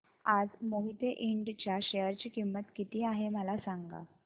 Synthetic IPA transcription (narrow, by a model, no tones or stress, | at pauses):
ad͡zmoɦit̪eʔiɳɖt͡ɕjaɕejəɾt͡ɕiːkimːət̪kit̪iːaɦeməlasaŋɡa̰